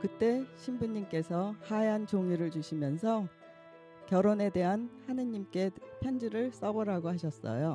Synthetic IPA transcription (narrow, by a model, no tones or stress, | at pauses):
kɯt͈e̞ɕʰimbuɲːimk͈e̞sʰʌhaeant͡ɕoŋjiɾɯɭt͡ɕuɕʰimjʌnsʰʌ | kjʌɾone̞de̞ɦanhanɯɲimk͈e̞pʰjʌnd͡ʑiɾɯɭs͈ʌbʌɾaɡohaɕʰʌs͈ʌ̰jo